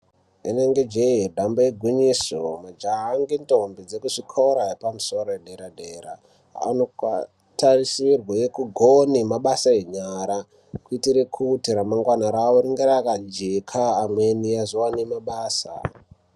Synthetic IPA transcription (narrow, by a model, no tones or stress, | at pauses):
ine̞ŋɡe̞d͡ʒeɦedʱambaeɡʱwiɲisomad͡ʒaŋɡentombid͡zekuʐikʰoɾaepamuso̞ɾoeɗʱe̞ɾadʱeɾa̰ | a̰noka | tarisirwaekuɡʱonimaɓasaeɲaɾa | kuitiɾekʰutiɾamaŋɡwanaɾawoɾiŋɡeɾakad͡ʒekʰaːmwe̞niazowanemaɓaːsa̰